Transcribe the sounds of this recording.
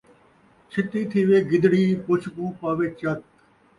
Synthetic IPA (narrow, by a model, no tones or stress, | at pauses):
t͡ʃʰɪt̪iːt̪ʰiːʋeːɡɪd̪ɽiːpʊt͡ʃʰpũːpaːʋeːt͡ʃɐt̪